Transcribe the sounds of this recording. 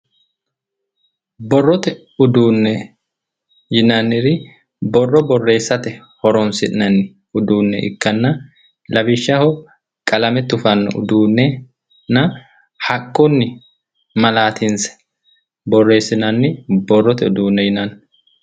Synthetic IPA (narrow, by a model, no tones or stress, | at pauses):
bɔrːɔt̪ɛ | ʊd̪uːnːɛ | jɪnɐnɪɾɪ | bɔrːɔbɔrːe̞ːsːɐt̪ɛhɔɾɔnsɪʔnɐnɪ | ʊd̪uːnːɛ̰ɪ̰kːɐnːɐ | lɐbɪʃːɐhɔ | kʼɐlɐmɛt̪ːʊfɐnːʊ̰ʔʊ̰d̪uːnːɛ | nɐ | hɐkʼːɔnːɪ | mɐlaːt̪ʰɪnsɛ̥ | bɔrːe̞ːsːɪnɐnːɪbɔrːɔt̪ɛʊd̪uːnːɛjɪnɐnː